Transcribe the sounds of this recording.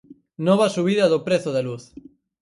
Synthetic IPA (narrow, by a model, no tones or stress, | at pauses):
nɔβɐsuβ̞iðɐðopɾeθoðeluθ